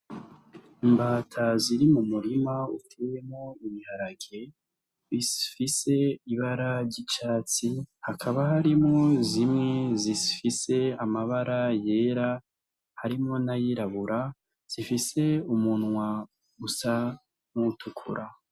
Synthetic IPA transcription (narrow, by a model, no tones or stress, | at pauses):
mbaːtʰaziɾimumuɾimautʰejemŋoimihaɾaɡe̞ | βizifise̞iβaɾaɾɟit͡ʃaːt͡sihakʰaβahaɾimŋo̞zimŋe̞zizifise̞amaβaɾaje̞ːɾa | haɾimŋo̞najiɾaβuɾa | z̥ifise̞umunwa | usa | mutʰukʰṵɾʔa